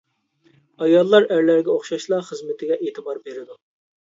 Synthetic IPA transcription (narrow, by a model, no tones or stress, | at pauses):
ɑjɑlˠːɑɾæɾlæɾɡʲɛoχʃɑʃlˠɑχəzmɪt̪ʰɪɡʲɛʔeːt̪ʰɨbɑɾbeɾɪd̪u